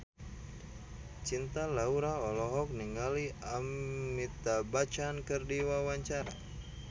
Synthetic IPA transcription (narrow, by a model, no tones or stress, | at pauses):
t͡ʃint̪alauɾaɔlɔɦɔk̚niŋaliamːit̪abat͡ʃankɨrdiwawaɲt͡ʃaɾa̰